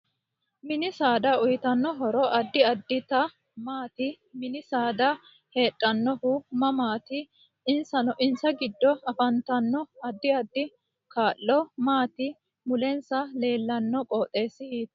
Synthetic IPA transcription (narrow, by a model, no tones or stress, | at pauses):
mɪnɪsaːd̪ɐʊjɪt̪ɐnːɔɦɔɾɔʔɐd̪ːɪɐd̪ːɪt̪ɐ | maːt̪ɪ | mɪnɪsaːd̪ɐ | he̞ːtʼːɐnːɔhʊmɐmaːt̪ɪː | nsɐnɔʔɪnsɐɡɪd̪ːɔɐfɐnt̪ɐnːɔɐd̪ːɪɐd̪ːɪ | kaːlːɔmaːt̪ɪ | mʊlɛnsɐle̞ːlːɐnːɔkʼoːt̪ʼːe̞ːsːɪhiːt̪